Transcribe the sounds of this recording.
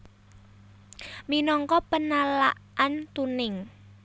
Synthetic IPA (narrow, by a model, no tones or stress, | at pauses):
minɔŋkɔpənalaʔʔant̪unɪŋ